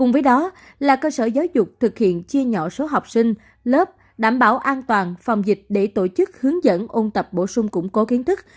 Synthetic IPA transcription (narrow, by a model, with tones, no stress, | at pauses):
kʊ˨˩ŋ͡mvəː˨˦jɗɔ˨˦ | laː˨˩kəː˧səː˧˩zaː˨˦wzʊ˨˩k͡p̚t̪ʰɨ˨˩k̚hḭ˧˨ənt͡ɕi˧əɲɔ̰˧˨so˨˦ɦa˨˩wk͡p̚sï˧ŋ̟ | ləː˦˥p̚ | ɗaː˧˩mɓaː˧˩wʔaː˧nt̪waː˨˩nfa˨˩wŋ͡mzï˨˩k̟̚ɗe˧˩t̪o˧˩t͡ɕɨ˦˥k̚hɨ˨˦əŋzə̰˧˥nʔo˧nt̪ə˨˩p̚ɓo̰˧˩sʊ˧ŋ͡mkʊ̰˧˥ŋ͡mko˨˦ki˨˦ənt̪ʰɨ˦˥k̚